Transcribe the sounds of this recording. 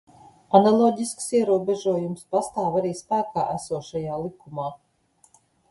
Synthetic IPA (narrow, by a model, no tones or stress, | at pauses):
analˠɔːɟʲisksiɛɾuɔbʲɛʒuɔjumspast̪aːvaɾiːspæːkaːʔæsuɔʃajaːlˠikumaː